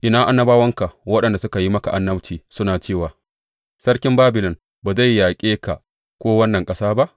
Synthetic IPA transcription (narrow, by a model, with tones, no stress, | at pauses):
ʔɪ˨naː˦ʔa˦nːɐ˦baː˦wɐ˦ŋka˨wɐ˦ɗɐ˨nda˨sʊ˦ka˨ji˦mɐ˦ka˨ʔa˨˦nːɐ˦bt͡ʃiː˨sʊ˦naː˨t͡ʃeː˦˨waː˨ | sɐ˦ɽkʲɪ˦mbaː˦bɪ˨lɪ˨n | baː˨za˦˨jːaː˨kʲʼeː˦ka˨ | kʷoː˦wɐ˦nːɐ˨ŋkʼɐ˦saː˦ba˦ʔ